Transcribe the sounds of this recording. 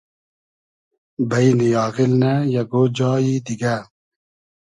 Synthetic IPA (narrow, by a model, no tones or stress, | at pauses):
bɐinijɑːɣilnajɐɡod͡ʑɑːjid̪iɡa